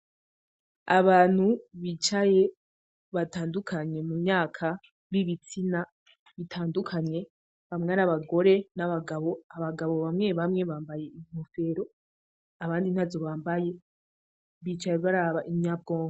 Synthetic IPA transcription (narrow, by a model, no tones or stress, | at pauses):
aβaːn̥huβiːt͡ʃaje̞ | βataːndukʰaɲe̞mumɲaːkʰa | βiβit͡sina | βitʰaːndukʰaɲɲe̞ | βamŋeaɾaβaɡo̞ɾe̞naβaɡaβo̞aβaɡaβo̞βamŋe̞βamŋe̞βaːmbaje̞im̥ofe̞ːɾo̞ | aβaːndin̥hazoβaːmbaje̞ | βiːt͡ʃajeβaɾaβaʔimɲab̚ɡoːŋa